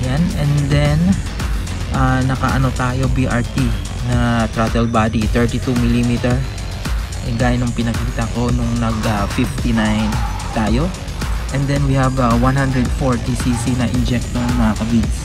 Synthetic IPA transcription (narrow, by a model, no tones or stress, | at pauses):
janɛnd̪ɛn | ʔanɐkɐ̰ʔɐno̞t̪aːjo̞biʔaɹt̪i | nɐt̪ɾat̪ɛlbaːd̪it̪ɛɹt̪it̪umɪlimit̪ɛɹ | ʔɛ̰ɡaːjɪnːɐŋpɪnɐkiːt̪ɐko̞nʊŋnɐɡɐfift̪inajn | t̪aːjo̞ | ʔɛnd̪ɛnwihɐbɐwanhand̪ɾɛd̪̚foɹt̪isisinɐʔɪnd͡ʒɛk̚t̪onɐŋmɐŋɐkɐbid̪